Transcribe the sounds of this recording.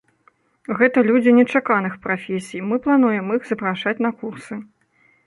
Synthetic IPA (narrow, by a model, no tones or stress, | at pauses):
ɣɛt̪ɐlʲud͡zʲinʲɛt͡ʂakanɨxpɾafʲesʲijmɨplˠanujɛmixzɐpɾaʂat͡sʲnɐkursɨ